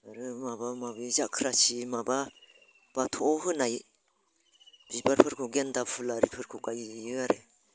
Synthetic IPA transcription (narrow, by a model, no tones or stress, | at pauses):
aɾɯmabamabɯzakʰɾasimaba | b̥atʰɔɦɯnaj | b̥ibaɾpʰɯɾkʰɯɡendapʰɯlaɾipʰɯɾkʰɯkajjɯaɾɯ